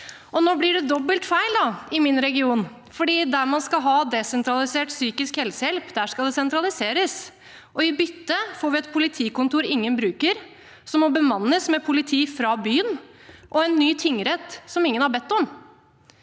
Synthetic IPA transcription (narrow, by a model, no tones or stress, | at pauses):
ʔɔnɔblɪɖɛd̪ɔbəlt̪fæɪld̪ɑɪmɪnɾɛɡɪuːn | fɔɖiːd̪æɾmɑnskɑɦɑːd̪ɛsɛnt̪ʰɾɑlɪseːʈsyːkɪskhɛlsəjɛlpd̪æʂkɑld̪ɛsɛnt̪ʰɾɑlɪseːɾəs | ʔɔɪbʏt̪ːəfoːɾʋɪɛt̪pʰʊlɪt̪ʰiːkʊnt̪uːɾɪŋːənbɾʉːkəɾ | sɔmːɔbəmɑnːəsmɛpʰʊlɪt̪ʰiːfɾɑːbyːənʔɔɛnːyːt̪ʰʏŋːəɾɛt̪ːsɔmɪŋːənhɑɾbɛt̪ːɔm